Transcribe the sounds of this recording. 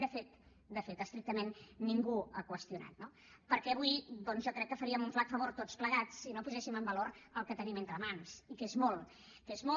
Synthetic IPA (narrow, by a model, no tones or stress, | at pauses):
d̪əfet̪ | d̪əfet̪əst̪ɾik̚t̪əmenːiŋɡuəkwəst̪juna̰t̪no | pəɾkɛɐβuid̪ɔnzʒɔkɾɛkːəfəɾiəmuɱflat̪fəβoɾt̪otspləɣat͡sːinopuzɛsiməmbəloɾəlˠkət̪əniment̪ɾəmansikezmolˠ | kezmo